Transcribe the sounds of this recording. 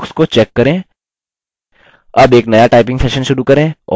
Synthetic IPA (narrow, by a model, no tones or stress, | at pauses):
ʊskot͡ʃɛːkːɐɾẽː | ɐbeːknɐjaʈaːɪpɪ̃ŋɡsɛːʃənʃʊɾukɐɾẽːɔ̰